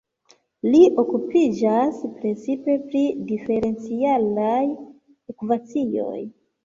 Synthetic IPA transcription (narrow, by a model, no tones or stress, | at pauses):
liʔo̞kupid͡ʒaspɾe̞t͡sipe̞pɾidife̞ɾe̞nt͡sialaj | okupat͡sio̞̰j